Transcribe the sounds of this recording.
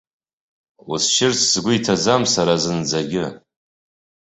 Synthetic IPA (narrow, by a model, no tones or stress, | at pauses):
usʃɪrt͡sʰz̥ɡʷʊitʰad͡zamsaɾazɨnd͡zaɡʲɪ